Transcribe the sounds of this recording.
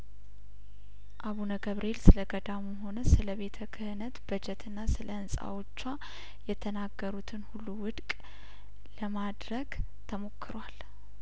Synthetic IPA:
ʔaβunəɡəβɾʔe̞lsɨləɡəd̪amuɦo̞nəsɨləβe̞t̪ʰəkʰɨhɨnət̪bəd͡ʒɛt̪ʰɨnːasɨləɨnsʼa̰wo̞t͡ʃːa | jɛt̪ʰənaɡːəɾut̪ʰɨnhulːuwʊd̪kʼ | ləmad̪ɾəɡ | t̪ʰəmo̞kːɨɾwal

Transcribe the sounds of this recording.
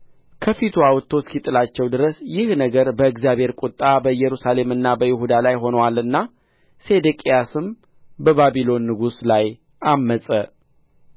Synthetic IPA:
kʰəfit̪ʰuawɔt̪ʰːoskit̪ʼːɨlat͡ʃːɛwd̪ɨɾəsjɪhnəɡəɾbəɨɡzjaβhe̞ɾkʼʊt̪ʼːabəjːɛɾusale̞mɨnːabəjɪhud̪alajɦo̞nəwalɨnːa | se̞d̪əkʼijasɨm | bəβabilo̞nːɨɡuslaj | ʔamːəsʼə

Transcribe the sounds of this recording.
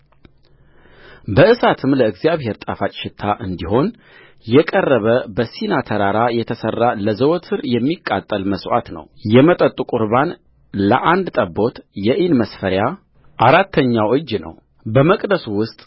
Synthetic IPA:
bəʔɨsat̪ʰɨmləɨɡzijaβhe̞ɾt̪ʼafat͡ʃʼʃɪt̪ʰːaʔɨnd̪iɦo̞n | jɛkʼərːəβəbəsinat̪ʰəɾaɾajɛt̪ʰəsərːaləzəwt̪ʰɨɾjɛmːikʼːa̰t̪ʼːəlməsʔa̰t̪nə̰wjɛmət̪ʼət̪ʼukʼuɾban | lə̰ʔand̪t̪ʼəbːo̞t̪jɛʔinməsfəɾja | ʔaɾat̪ʰːəɲːawʔɨd͡ʒnə̰w | bəməkʼd̪əsuwʊst̪ʼ

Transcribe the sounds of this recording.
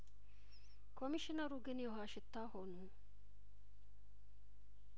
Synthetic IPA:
kʰomiʃinɐɾuɡenijoɦaːʃit̪ːaːhonu

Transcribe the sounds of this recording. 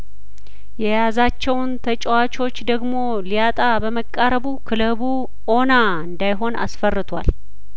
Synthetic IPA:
jɛjazat͡ʃːɛwnt̪ʰət͡ʃʼɛwat͡ʃo̞t͡ʃːd̪əɡmo̞ | lijat̪ʼabəməkʼːaɾəβukʰɨləβu | o̞na | ɨnd̪ajɦo̞na̰sfərːɨt̪ʰwa̰l

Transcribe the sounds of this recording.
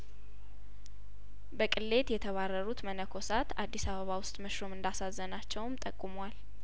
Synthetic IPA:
bəkʼɨlːe̞t̪jɛt̪ʰəβarːəɾut̪mənəkʰo̞sat̪ad̪ːisaβəβawʊst̪ʼməʃɾo̞mɨnd̪asazːənat͡ʃːɛwmt̪ʼəkʼːumwal

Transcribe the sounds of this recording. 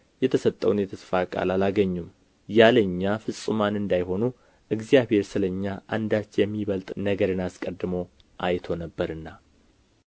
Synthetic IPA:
jɛt̪ʰəsət̪ʼːəwnjɛt̪ʰəsfakʼa̰lalaɡəɲːum | jaləɲːafɨsʼɨmanɨnd̪ajho̞nu | ʔɨɡzijaβhe̞ɾsɨləɲːaʔand̪at͡ʃːjɛmːiβəlt̪ʼnəɡəɾɨnaskʼəd̪ːɨmo | ʔajt̪ʰo̞nəbːəɾɨnːa

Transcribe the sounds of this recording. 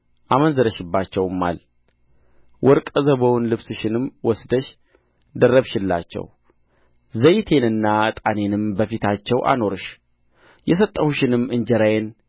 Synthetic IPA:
ʔamənzəɾəʃɪbːat͡ʃːɛwmːa̰l | wɔɾkʼəzəβəwnlɨβsɨʃɪnɨmwɔsd̪əʃ | d̪ərːəβʃɪlːa̰t͡ʃːɛ̰w | zəjt̪ʰe̞nɨnːat̪ʼane̞nɨmbəfit̪ʰat͡ʃːɛwʔa̰no̞ɾɨʃ | jɛs̬ət̪ʼːəhuʃɪnɨmːɨɲd͡ʒɛɾajen

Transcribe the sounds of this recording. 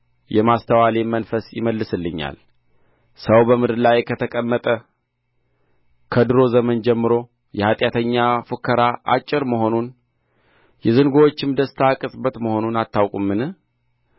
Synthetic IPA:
jɛmast̪ʰəwalemənfəsjɪ̰məlːɨsɨlːɨɲːa̰l | səwbəmɨd̪ɨɾlajkʰət̪ʰəkʼəmːət̪ʼə | kʰəd̪ɨɾo̞zəmənd͡ʒɛmːɨɾo̞ | jɛhat̪ʼjat̪ʰəɲːafɨkʰːəɾaʔa̰t͡ʃʼːɪɾməɦo̞nun | jɛzɨŋɡowot͡ʃːɪmd̪əst̪ʰakʼɨsʼbət̪məho̞nunat̪ʰːawkʼumːɨnɨ

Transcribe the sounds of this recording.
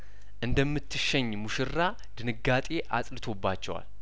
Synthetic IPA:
ʔɨnd̪əmːɨt̪ʰːɨʃːɛɲːmuʃɨrːa | d̪̥ɨnɨɡat̪ʼe̞ʔa̰sʼlɨt̪ʰo̞bːat͡ʃːɛwa̰l

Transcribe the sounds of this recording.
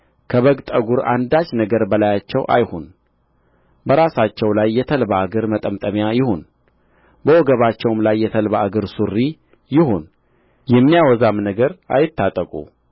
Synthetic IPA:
kʰəβəɡt̪ʼəɡuɾa̰nd̪at͡ʃnəɡəɾbəlajat͡ʃːɛwʔa̰jhon | bəɾasat͡ʃːɛwlajːɛt̪ʰəlbaːɡəɾmət̪ʼəmt̪ʼəmjajɪhon | bəwɔɡəβat͡ʃːɛwmlajːɛt̪ʰəlβaːɡəɾsurːi | jɪhon | jɛmːijawɔzamnəɡəɾa̰jɪt̪ːat̪ʼəkʼṵ

